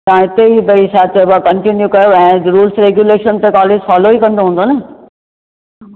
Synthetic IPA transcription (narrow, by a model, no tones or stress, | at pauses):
t̪ɐãɪt̪eibɐisaːt̪ʰebakɐ̃ɳʈɪnjukɐjoɛ̃ːɾuːlsɾeːɡjuleːʃənt̪ekaːleːd͡ʑfaːloikɐ̃nd̪oɦũːnd̪oːnɐ